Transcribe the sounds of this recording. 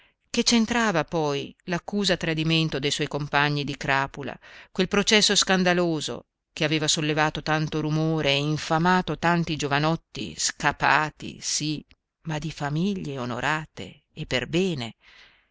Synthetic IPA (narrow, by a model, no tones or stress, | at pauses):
ket͡ʃːent̪ɾaːvapɔjlakːuːzat̪ɾad̪iment̪od̪ejswɔjkompaɲːid̪ikɾaːpula̰kwelpɾot͡ʃɛsːoskand̪aloːzo̰ | keaveːvasolːevaːt̪ot̪ant̪oɾumoːɾeːiɱfamaːt̪ot̪ant̪id͡ʒovanɔt̪ːḭskapaːt̪ḭsi | mad̪ifamiʎːeono̰ɾʔaːt̪ḛː | pːerbɛːne